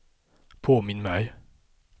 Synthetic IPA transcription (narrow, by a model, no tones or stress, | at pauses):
pʰoːmɪnmæɪ